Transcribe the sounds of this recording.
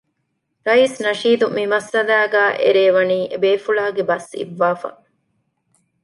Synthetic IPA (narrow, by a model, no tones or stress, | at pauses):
ɾɐiːsnɐʃiːd̪umimɐsːɐlæːɡæːʔḛɾeːʋɐniːʔebeːfuɭaːɡebɐsḭʋːaːfɐ̰